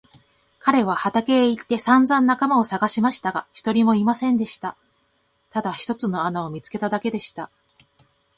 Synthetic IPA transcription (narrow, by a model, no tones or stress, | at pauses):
kaɾe̞β̞ahat̪ake̞ːit̪ːe̞sãnd͡zãnːakamao̞saɡaɕimaɕi̥t̪aɡaçi̥t̪o̞ɾʲimo̞imasẽ̞nd̪e̞ɕi̥t̪a | t̪ad̪açi̥t̪o̞t͡sɨno̞anao̞mʲit͡sɨ̥ke̞t̪ad̪ake̞d̪e̞ɕi̥t̪a